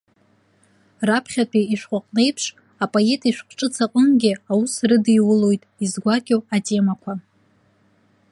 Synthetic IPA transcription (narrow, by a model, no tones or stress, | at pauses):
rapʰχʲatʰʼiiʃᶣχʷʼaqʼne̞jpʰʂ | apʼoe̞tʼiʃʷᶣqʷʈ͡ʂʼɨt͡sʰaqʼəmɡʲɪawusrɨdiwʊlo̞jtʼizɡʷakʲʼowatʼe̞makʷʰa